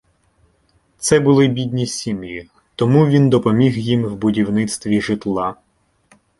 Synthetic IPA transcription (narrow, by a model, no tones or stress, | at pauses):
t̪sɛbʊlˠɪbʲid̪ʲnʲisʲimji | t̪ɔmuʋʲind̪ɔpɔmʲiɦjimwbʊdʲiwnɪt̪st̪ʋʲiʒɪt̪lˠɑ